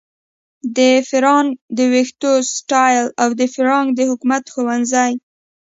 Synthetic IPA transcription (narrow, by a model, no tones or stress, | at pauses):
d̪əfɪɾɑnd̪əwext̪osʈɑjlawd̪əfɪɾɑŋd̪əhʊkumat̪xowanzaj